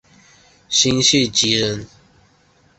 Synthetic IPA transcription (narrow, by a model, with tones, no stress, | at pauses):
ɕi˦ŋɕi˥˨t͡ɕi˨˦ɻə˨˦n